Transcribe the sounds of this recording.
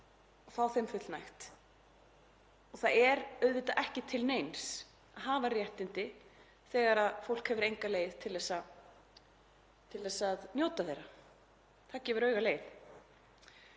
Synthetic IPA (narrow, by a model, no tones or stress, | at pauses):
ɔθawθɪmfʏt̪lnajxt̪ | ɔɣθaðɛɾœɥðvɪt̪aʔɛhcɪt̪ʰɪlneːjns | aðɦaːvarjɛht̪ɪnt̪ɪ | θɛːɣaɾaðfowl̥khɛvʏɾejŋkaleːjð̥t̪ʰɪlðɛsa | t̪ʰɪlðɛsaðnjowt̪aθejɾa | θacɛːvʏɾœːɥɣaleːjl